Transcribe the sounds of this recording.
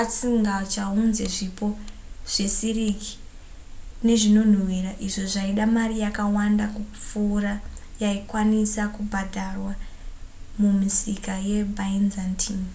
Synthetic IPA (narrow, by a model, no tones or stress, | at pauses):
at͡siŋɡat͡ʃaunze̞ʐipoʐ̥e̞siriki̥ | ne̞ʐino̞n̤uwiɾaʔiʐoʐaiɗamarijakawandakup͡fuːɾa | jaikwanisakubʱadʱarwa | mumisikaje̞bʱainzantʰin